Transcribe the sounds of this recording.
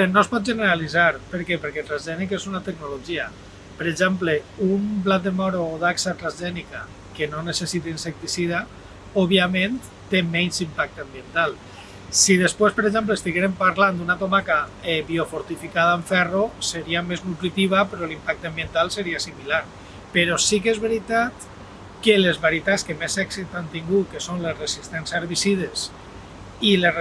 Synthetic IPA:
nospɔt̪̚ʒəneɾalizaɾpəɾkɛpəɾkɛt̪ɾazʒɛnikezunat̪eknoloʒia | pəɾeʒɛmpleumplat̪̚d̪emɔɾoːðaksat̪ɾazʒɛnika | kenonesesit̪einsek̚t̪isiða | oβiamen | t̪emɛɲzimpak̚t̪ambient̪alˠ | sið̞espwespəɾeɡʒɛmplest̪iɣeɾempaɾland̪unat̪omakaɛβiofoɾt̪ifikaðaəɱfɛroseɾiameznuk̪ɾit̪iβapeɾɔlimpak̚t̪ambient̪alˠseɾiasimilaɾ | peɾɔsik̬ezβeɾit̪at̪ | kəlezβaɾjit̪at͡skemesɛksit̪ant̪iŋɡut̪̚kesonlesresist̪ɛnsaɾβisiðes | ile

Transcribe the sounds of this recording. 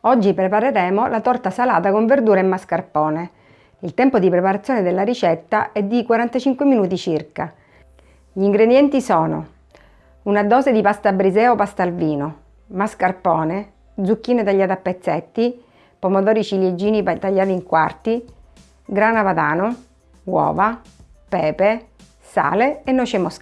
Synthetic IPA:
ɔd͡ʒːipɾepaɾeɾɛːmolat̪ɔrt̪asala̰ːt̪akoɱverd̪uːɾaɛmːaskarpɔːne | ilt̪ɛmpod̪ipɾepaɾat̪sːjɔːned̪elːaɾit͡ʃɛt̪ːaʔɛd̪ːikwaɾant̪at͡ʃiŋkweminuːt̪it͡ʃirka | ʎiŋɡɾed̪jɛnt̪isɔːno̰ | unad̪ɔːzed̪ipast̪abɾizɛːopast̪alviːno | maskarpɔːne | d̪zukːiːnet̪aʎːaːt̪apːet̪sːɛt̪ːi | pomot̪ɔːɾit͡ʃiljed͡ʒːiːnit̪aʎːaːt̪iŋkwa̰rt̪i | ɡɾaːnapad̪aːno | wɔ̰ːva | pɛːpe | sa̰ːleenːɔt͡ʃemosk

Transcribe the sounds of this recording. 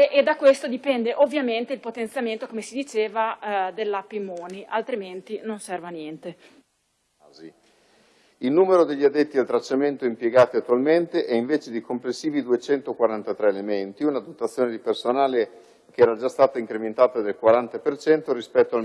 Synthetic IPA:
ʔed̪akwest̪od̪ipɛnd̪eʔovːjament̪eilpot̪ent̪sjament̪okomesid̪it͡ʃeːvad̪elːapimoːniʔalt̪ɾiment̪inonsɛrvanjɛnt̪e | zi | ilnuːmeɾod̪eʎːiad̪ːet̪ːialt̪ɾat͡ʃːament̪oimpjeɡaːt̪iat̪ːualment̪eʔɛiɱveːt͡ʃed̪ikomplesːiːvid̪uet͡ʃɛnt̪okwaɾant̪at̪ɾɛelement̪iunad̪ot̪at̪sːjoːned̪ipersonaːle | keɛːɾad͡ʒast̪aːt̪aiŋkɾement̪aːt̪ad̪elkwaɾant̪apert͡ʃɛnt̪oɾispɛt̪ːoal

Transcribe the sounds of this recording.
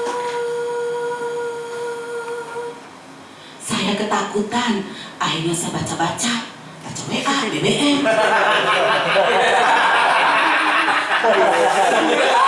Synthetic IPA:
sajakət̪akut̪anʔaiɲasabat͡ʃabat͡ʃa | b̥at͡ʃaweʔabeweʔɛn

